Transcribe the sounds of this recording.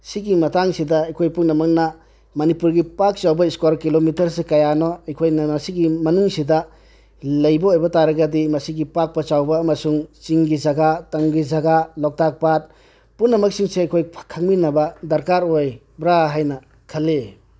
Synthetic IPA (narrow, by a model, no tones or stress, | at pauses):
siɡimɐtaŋsidɐːjkʰojpuŋnɐmɐk̚nɐ | mɐnipuɾɡipak̚t͡ʃawbɐiskwaɾkilomitɐɾsekɐjanɔɐjkʰojnɐmɐsiɡimɐnuŋsidɐ | lɐjbɐojbɐtaɾɐɡɐdimɐsiɡipak̚pɐt͡ʃawbɐːmɐsuŋt͡ʃiŋɡid͡ʒɐɡatɐŋɡid͡ʒɐɡalɔk̚tak̚pat̚ | puŋnɐmɐk̚siŋseajkʰojʰkʰaŋminɐbɐdɐɾkaɾoj | bɾaɦajnɐ | kʰɐlːe